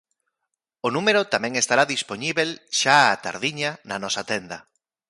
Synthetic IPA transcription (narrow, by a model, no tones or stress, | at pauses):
onũmeɾʊt̪amɛ̃ŋest̪aɾaðispoɲiβelʃaat̪a̰ɾðiɲananɔsat̪ɛnd̪ɐ